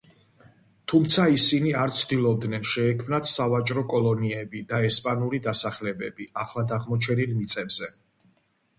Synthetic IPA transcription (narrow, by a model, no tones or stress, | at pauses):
t̪ʰumt̪sʰaisiniaɾt̪t͡ʃ̪ʰd̪ilˠɔb̚d̪nɛnʃɛːkʰmnat̪ʰsavat͡ʃʼɾɔkʼɔlˠɔniɛbid̪aɛspʼanuɾid̪asaχlɛbɛbiaχlˠad̪aʁmɔt͡ʃʰɛnilˠmit̪sʼɛbz̥ɛ